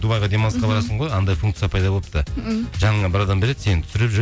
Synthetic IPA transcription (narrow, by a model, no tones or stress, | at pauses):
d̪ubɑjʁəd̪e̞mansqɑbɑɾɑsəɴʁojɑnd̪ɑjfuŋkt̪sɨjɑpʰɑjd̪ɑbo̞lˠəp̚t̪əʒɑɴɑbɪɾɑd̪ɑmbe̞le̞d̪se̞nɪnt̪ʰsɪɾepʒ